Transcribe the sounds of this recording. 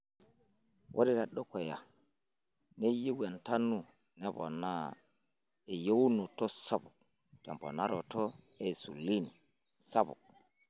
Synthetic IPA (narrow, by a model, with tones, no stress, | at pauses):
wʔo˦di˦ɾa˨ɗɔ˦kɔ˨ja̰˨ | ne˦ji˦wa˨nta˦nːu˨ | nɛ˦bɔ̰˨na˦ | e˨jo˦wnu˨tɔ˦sa˦bu˨k̚ | tɛ˨mpɔ̰˨na̰˦ɾɔ˨tɔ˦ | e˨su˨lːi˦ni˨ | sa˦bṵ˨k̚